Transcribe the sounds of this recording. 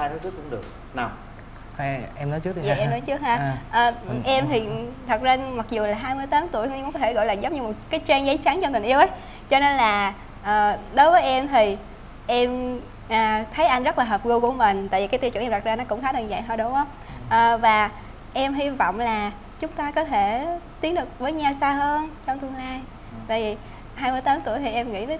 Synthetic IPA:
aː˧jnɨ˦˥t̪ɨ˦˥kʊ˧˥˦ŋ͡mɗɨ˨˩ək̚ | na˨˩wŋ͡m | a˧˩ʔɛ˧mnɔ˨˦jt͡ɕɨ˦˥k̪̚a̰ː˨ʔɛ˧mnɔ˨˦jt͡ɕɨ˦˥ək̚haː˧ʔəː˨˩ʔɛ˧mt̪ʰi˨˩t̪ʰə˨˩t̚za˧ma˨˩k̚zu˨˩laː˨˩ɦaː˧jmɨ˧jt̪aː˨˦mt̪u˧˩əjt̪ʰːkʊ˧˦kɔ˦t̪ʰe˧˩ɣɔ̰˧˨jlaː˨˩zə˨˦ŋ͡mɲɨ˧mo˨˩t̚kaː˨˦jt͡ɕɛ˧nza˨˦jt͡ɕa˨˦nt͡ɕɔ˧t̪i̟˨˩ʔi˧əwʔə˨˦j | t͡ɕɔ˧ne˧nlaː˨˩ | ʔəː˨˩ɗo˨˦jvəː˨˦jʔɛ˧mt̪ʰi˨˩ | ʔɛ˧m | ʔaː˨˩t̪ʰə˨˦jʔa˧jŋ̟zə˦˥t̚laː˨˩ɦəː˨˩p̚ɣu˧wku˧˩əmï˨˩ŋ̟t̪a̰ː˧˨vi˨˩kaː˨˦j̪t̪i˧wt͡ɕːnʔa˨˩t̚zaː˧nɔ˨˦˥kʊ̰˧˥ŋ͡mxaː˨˦t̪ʰɨ˨˩ŋzə̰˧˨jɦɔ˧jɗʊ˨˦ŋ͡mʔə˧˦ŋ͡m | ʔəː˨˩vaː˨˩ | ʔɛ˧mɦi˧vɔ̰˧˨wŋ͡mlaː˨˩ | t͡ɕʊ˨˦ŋ͡mt̪aː˧kɔ˨˦t̪ʰe˧˩t̪i˨˦ənɗɨ˨˩ək̚vəː˨˦jɲaː˧wsaː˧ɦəː˧nt͡ɕɔ˧wŋ͡mt̪ɨ˧əŋlaː˧j | t̪a̰ː˧˨jvi˨˩ | haː˧jmɨ˧əjt̪aː˨˦mt̪u˧˩əjt̪ʰi˨˩ʔɛ˧mŋḭ˧˥t̪əː˨˦

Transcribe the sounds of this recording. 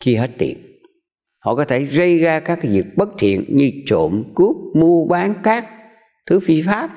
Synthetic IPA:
t͡ɕi˧ɦe˦˥t̚t̪ḭ˧˨ən | hɔ̰˧˨kɔː˨˦t̪ʰe˧˩zə˧jzaː˧kaː˦˥k̚ːzḭ˨˩ək̚ɓə˦˥k̚t̪ʰḭ˧˨ənɲɨ˧t͡ɕo̰˧˨mku˦˥əp̚mu˧əɓaː˨˦nkaː˦˥k̚ | t̪ʰɨ˨˦fi˧faː˦˥p̚

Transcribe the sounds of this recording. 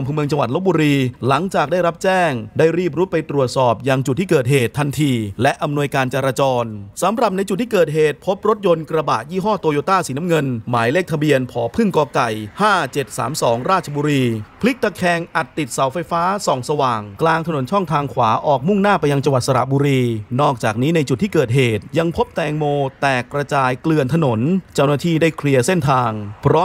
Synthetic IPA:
mpʰɯː˧mɯ˧əŋt͡ɕa˧wa˨˩t̪̚lo˦˥buː˧ɾiː˧la˩˦ŋt͡ɕaː˨˩k̚daː˥˩jɾa˦˥p̚t͡ɕɛː˥˩ŋdaː˥˩jɾiː˥˩p̬̚ɾu˦˥pa˧jt̪ɾu˨˩ət̪̚sɔː˨˩p̚jaː˧ŋt͡ɕu˨˩iː˥˩kɤː˨˩t̪̚ɦeː˨˩t̪ʰːa˧nt̪ʰiː˧lɛ˦˥ʔa˧mnu˧əjkaː˧nt͡ɕaː˧ɾaː˧t͡ɕɔː˧nsa˩˦mɾa˨˩p̚na˧jt͡ɕu˨˩iː˥˩kɤː˨˩t̪̚ɦeː˨˩t̪̚pʰo˦˥p̚ɾo˦˥t̪̚jo˧nkɾa˧baː˨˩t̪̚jiː˥˩ɦɔː˥˩t̪o˧joː˧t̪aː˥˩siː˩˦na˦˥mŋɤ˧nmaː˩˦jleː˥˩k̚t̪ʰa˧bi˧ənpʰɔː˩˦pʰɯ˥˩ŋkɔː˧ka˨˩jhaː˥˩t͡ɕe˨˩t̪̚sa̰ː˩˦msɔː˩˦ŋɾaː˥˩t̪̚ʰa˧buː˧ɾiː˧pʰli˦˥k̚t̪a˧˩kʰɛː˧ŋʔa˨˩t̪ːi˨˩t̪̚sa˩˦wfa˧jfaː˦˥sɔː˩˦ŋsa˧waː˨˩ŋklaː˧ŋt̪ʰa˧no˩˦nt͡ɕʰɔ˥˩ŋt̪ʰaː˧ŋkʰwaː˩˦ʔɔː˨˩k̚mu˥˩ŋnaː˥˩pa˧jːa˧ŋt͡ɕa˧ŋwa˨t̪̚sa˧ɾa̰˨˩ʔ̚buː˧ɾiː˧nɔː˥˩k̚t͡ɕaː˨˩k̚niː˦˥na˧jt͡ɕu˨˩t̪ʰːiː˥˩kɤː˨˩t̪̚ɦeː˨˩t̪̚ja˧ŋpʰo˦˥p̚t̪ɛː˧ŋmoː˧t̪ɛː˨˩kːɾa˧t͡ɕaː˧jklɯ˧ənt̪ʰa˧no˩˦nt͡ɕa˥˩wnaː˥˩t̪ʰiː˥˩daː˥˩jkʰɾi˧əse˥˩nt̪ʰaː˧ŋpʰɾɔː˦˥

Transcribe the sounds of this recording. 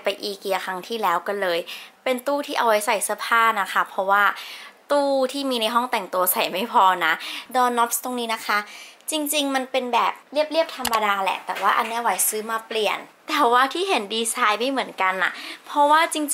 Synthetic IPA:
pa˧jʔiː˨˩kːi˨˩ɐ˧kʰa˧˥ŋt̪ʰiː˥˩lɛː˦˥wkɔ˥˩lɤː˧jpe˧nt̪uː˥˩t̪ʰiː˥˩ʔa˧˩wa˦˥jsa˨˩jsa˧˦pʰaː˥˩na˦˥xʰa˦˥pʰɔ˦˥waː˥˩t̪uː˥˩t̪ʰiː˥˩miː˧na˧jɦɔ˥˩ŋt̪ɛ˨˩ŋt̪u˧ɐsa˨˩jma˥˩jpʰɔː˧na˦˥dɔː˧nɔ˦˥p̚st̪o˧ŋniː˦˥na˦˥kʰa˦˥t͡ɕi˧ŋt͡ɕi˧ŋma˧npe˧nbɛː˨˩p̚li˥˩əp̚li˥˩əp̚t̪ʰa˧mːa˧daː˧lɛ̰˨˩t̪ɛ̰ː˨˩waː˥˩ʔa˧nːi˦˥˩wa˨˩˦jsɯː˨˦˥maː˧pli˨˩ənt̪ɛː˨˩waː˥˩t̪ʰiː˥˩ɦe˩˦ndiː˧saː˧jma˥˩jmɯ˨˩˦ənka˧nːʔa̰˨˩ʔpʰɔ˦˥waː˥˩t͡ɕi˧ŋ

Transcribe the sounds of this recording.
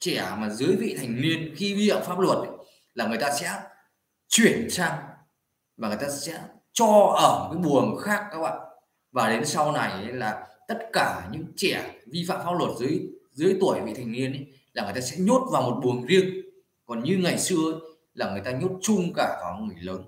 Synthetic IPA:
t͡ɕɛ˧˩maː˨˩zɨ˨˦əjvḭ˧˨t̪ʰa˨˩jŋ̟ni˧ənxi˧vi˧fa̰ː˧˨mfa˦˥p̚lwə˨˩t̚ʔə˨˦ | laː˨˩ŋ˨˩ə˩jt̪aː˧sɛ̰˧˥ | t͡ɕwi˧˩ənsaː˧ŋ | vaː˨˩ŋɨ˨˩jt̪aː˧sɛ̰˧˥ | t͡ɕɔ˧ʔəː˧˩˨kaː˨˦jɓu˨˩əŋxaː˦˥k̚kaː˦˥k̚ɓa̰ː˧˨n | vaː˨˩ɗe˨˦nsa˧wna˨˩jə˨˦laː˨˩t̪ə˦˥t̚kaː˧˩ɲɨ̰˧˥ŋt͡ɕɛ˧˩vi˧fa̰ː˧˨mfaː˦˥p̚lwə˨˩t̚zɨ˨˦əjzɨ˨˦əjt̪u˧˩əjvḭ˧˨t̪ʰa˨˩ŋni˧ənʔə˨˦j | laː˨˩ŋɨ˨˩jt̪aː˧sɛ̰˧˥ɲo˦˥t̚vaː˨˩wmo˨˩t̚ɓu˨˩əŋzi˧əŋ | kɔ˨˩nɲɨ˧ŋa˨˩jsɨ˧əə˨˦j | laː˨˩ŋɨ˨˩əjt̪aː˧ɲo˦˥t̚t͡ɕʊ˧ŋ͡mkaː˧˩kɔ˨˦ŋɨ˨˩əjləː˨˦n

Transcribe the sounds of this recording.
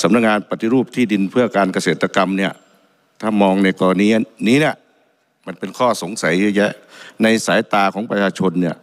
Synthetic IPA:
sa˨˦mna˧˩k̚ŋaː˧npa˧t̪ʰːi˧ɾuː˥˩p̚t̪ʰiː˥˩di˧npʰɯ˥˩ɐkaː˧nka˧seː˨˩t̪ʰːa˧ka˧mni˥˩ɐ | t̪ʰaː˥˩mɔː˧ŋna˧jkɔː˧la˧niː˧˥ʔniː˦˥˨ni˦˥˩ɐ | ma˧npe˧nkʰɔː˥˩so˩˦ŋsa˨˦juː˧˩jɛ˦˥na˧jsaː˨˦jt̪aː˧kʰɔː˩˦ŋpɾa˧t͡ɕʰaː˧t͡ɕʰo˧nːi˥˩ɐ

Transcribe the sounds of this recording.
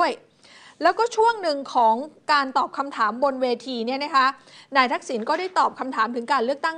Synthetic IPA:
əj | lɛː˦˥wkɔː˥˩t͡ɕʰu˥˩əŋnɯ˧ŋkʰɔː˩˦ŋkaː˧nt̪ɔː˨˩p̚kʰa˧mt̪ʰaː˩˦mbo˧nweː˧t̪ʰiː˧ni˥˩ɐna˦˥kʰa˦˥naː˧jt̪ʰa˦˥k̚si˩˦nkɔː˥˩daː˥˩jt̪ɔː˨˩p̚kʰa˧mt̪ʰaː˩˦mt̪ɯ˩˦ŋkaː˧nlɯ˥˩ək̚t̪a˥˩ŋ

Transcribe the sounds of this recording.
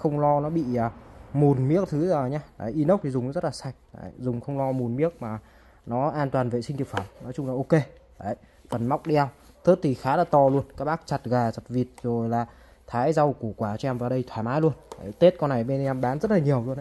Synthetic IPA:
xə˧wŋ͡mlɔ˧nɔ˨˦ɓḭ˧˨əː˨˩mu˨˩nmi˦˥ək̚t̪ʰɨ˨˦zəː˨˩ɲaː˧ɗa̰˨˩˦ʔi˧˦nə˦˥wk͡p̚t̪i˨˩zʊ˨˩ŋ͡mɔ˦zə˦˥t̚laː˨˩sa˨˩jk̟̚ɗa̰˧˩jzʊ˨˩ŋ͡mxə˧wŋ͡mlɔ˧mu˨˩nmi˦˥ək̚maː˨˩ | nɔ˨˦ʔaː˧nt̪waː˨˩nvḛ˧˨sï˧ŋ̟t̪i˨˩əkfə˧˩mnɔ˨˦jt͡ɕʊ˧ŋ͡mlaː˨ʔo˧ke˧ | ə˨˩˨jfə˨˩nma˦˥wk͡p̚ɗi˧a˧wt̪ɨ˦˥k̚t̪ʰi˨˩xaː˨˦laː˨˩t̪ɔ˧lu˧ənkaː˦˥k̚ɓaː˦˥k̚t͡ɕa˨˩t̚ɣaː˨˩za˨˩t̚vi˨˩ət̚zo˨˩jlaː˨˩ | t̪ʰaː˨˦jza˧wku˧˩kwaː˧˩t͡ɕɔ˧ʔɛ˧mvaː˨˩ɗə˧jt̪ʰwaː˧˩jmaː˨˦jlu˧ənɗə̰˧˨˩jt̪e˦˥t̚kɔ˧na˨˩jɓe˧n˧ɛ˧mɓaː˨˦nzə˦˥t̚laː˨˩ɲi˨˩əwlu˧ən˨˦

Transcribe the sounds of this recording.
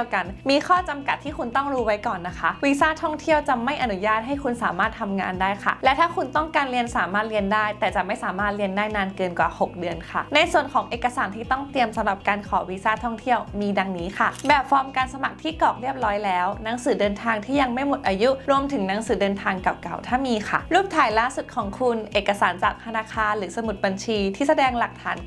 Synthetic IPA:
wka˧nmiː˧xʰɔː˥˩t͡ɕa˧mka˨˩t̪ʰːiː˥˩ku˧nt̪ɔ˥˩ŋɾuː˦˥wa˦˥jkɔː˨˩nːa˦˥kʰa˦˥ʔwiː˧saː˥˩t̪ʰɔ˥˩ŋt̪ʰi˥˩əwt͡ɕa˨˩ma˥˩jʔa˨˩nu˦˥jaː˥˩t̪̚ɦa˥˩jkʰu˧nsaː˩˦maː˥˩t̪ʰːa˧mŋa̰ː˧ndaː˥˩jxʰa̰˥˩lɛ˦˥t̪ʰaː˥˩kʰu˧nt̪ɔ˥˩ŋkaː˧nɾi˧ənsaː˩˦maː˥˩t̪̚ɾi˧əndaː˥˩jt̪ɛː˨˩t͡ɕa˨˩ma˥˩jsaː˨˩˦maː˥˩t̪̚ɾi˧əndaː˥˩jnaː˧nkɤː˧nkwaː˨˩ho˨˩k̚dɯ˧ənkʰa̰˥˩na˧jsu˨˩ənkʰɔː˩˦ŋʔeː˨˩kːa˧saː˩˦nt̪ʰiː˥˩t̪ɔ˥˩ŋt̪i˧əmsa˨˦ɾa˨˩p̚kaː˧nkʰɔː˩˦wiː˧˥saː˥˩t̪ʰɔ˥˩ŋt̪ʰi˥˩əwmiː˧da˧ŋniː˦˥xʰa˥˩bɛː˨˩fɔː˧˦˥mkaː˧nsa˧ma˨˩k̚t̪ʰiː˥˩kɔː˨˩k̚ɾi˥˩əp̚ɾɔː˦˥jlɛː˦˥wna˦˥ŋsɯː˩˦dɤː˧nt̪ʰaː˧ŋt̪ʰiː˥˩ja˧ŋma˥˩jmo˨˩t̪ʔaː˧ju˦˥ɾu˧əmt̪ʰɯ˩˦ŋna˦˥ŋsɯː˨˩˦dɤː˧nt̪ʰaː˧ŋka˨˩p̚ka˨˩wt̪ʰaː˥˩miː˧xʰa̰˥˩ɾuː˥˩p̚t̪ʰaː˩˦jlaː˥˩su˨˩t̪̚kʰɔː˩˦ŋkʰu˧nʔeː˨˩kːa˧saː˩˦nt͡ɕaː˨˩k̚t̪ʰa˧naː˧kʰaː˧nɾɯː˩˦sa˧mu˨˩t̪̚ba˧nt͡ɕʰiː˧t̪ʰiː˥˩sa˧dɛː˧ŋla˨˩k̚t̪ʰaː˩˦n

